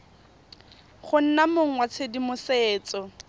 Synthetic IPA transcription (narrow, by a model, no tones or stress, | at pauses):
χʊn̩namoŋ̩wat͡sʰedimʊseːt͡sɔ